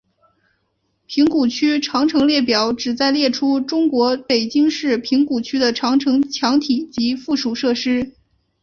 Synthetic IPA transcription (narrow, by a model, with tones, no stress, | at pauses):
pʰi˧˥ŋku˨˩t͡ɕʰy˥ʈ͡ʂʰɑ˧˥ŋʈ͡ʂʰɤ˧˥ŋljɛ˥˩p̬jɑ˨˩˦ʊʈ͡ʂɻ̩˨˩t͡sa˥˧ɪljɛ˥˩ʈ͡ʂʰu˥ʈ͡ʂʊ˥ŋkwɔ˧˥pe˨˩ɪt͡ɕi˥ŋʂɻ̩˥˩pʰi˧˥ŋku˨˩t͡ɕʰy˥d̪ə˨ʈ͡ʂʰɑ˧˥ŋʈ͡ʂʰɤ˧˥ŋt͡ɕʰjɑ˧˥ŋt̪ʰi˨˩t͡ɕi˧˥fu˥˩ʂu˨˩ʂɤ˥˩ʂɻ̩˥